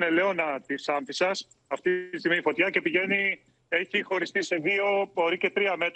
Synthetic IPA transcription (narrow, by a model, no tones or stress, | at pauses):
nele̞onɐt̪isɐɱfisɐs | ɐft̪iist̪iɣmifo̞t̪çɐce̞piʝe̞ni | e̞çixo̞ɾist̪ise̞ðio̞oɾice̞t̪ɾiɐme̞t̪